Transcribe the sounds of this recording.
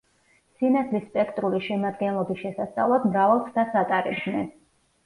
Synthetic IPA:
sinad̪ʰlisːpʼɛkʰt̪ʼɾuliʃɛmad̪ɡɛnlˠɔbisʃɛsast̪sʼa̰vlˠad̪mɾavalˠt̪ʰt̪ʰasat̪ʼaɾɛ̰bnɛ

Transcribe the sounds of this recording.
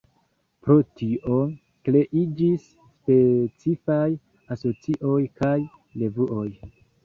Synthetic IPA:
pɾo̞tiʔo | kle̞ʔid͡ʒisːpe̞t͡sifaj | aso̞t͡siʔo̞jkaj | le̞vuo̞j

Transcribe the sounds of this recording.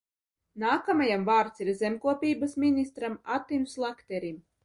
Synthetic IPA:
naːkamajamvaːɾt̪siɾzʲɛmʲkuɔpʲiːbasmʲinʲist̪ɾamat̪ːinʲslˠakt̪ʲɛɾʲim

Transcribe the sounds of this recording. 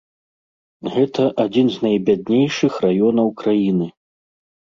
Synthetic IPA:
ɣɛt̪ɐʔad͡zʲinznajbʲad̪nʲejʂɨxrajɔnɐwkɾajinɨ

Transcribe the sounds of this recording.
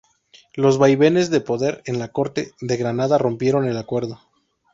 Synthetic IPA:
lo̞zβajβe̞ne̞zðe̞po̞ðe̞ɾe̞nlako̞ɾt̪e̞ðe̞ɣɾanaðaro̞mpje̞ɾo̞ne̞lakwe̞ɾðo

